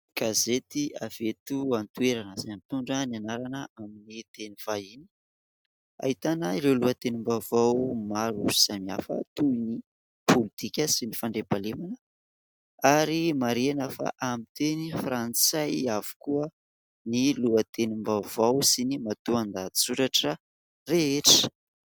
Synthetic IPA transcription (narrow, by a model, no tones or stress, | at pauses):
ɡ̥azet̪iavet̪uant̪ueɾanəzamt̪uɳɖ͡ʐənanaɾanəaminit̪eniv̥aini̥ | a̰ɦit̪anaiɾewluat̪enimbavawmaɾuzizamia̰fə̰t̪uini | pʰolit̪ikʲəsinifaɳɖ͡ʐebalemanə | aɾimaɾenəfa̰ʔamit̪enifrant͡sajav̥u̥kuə | niluət̪enimbavawsinimat̪uand̪ad̪isuɾaʈ͡ʂə | reeʈ͡ʂə̥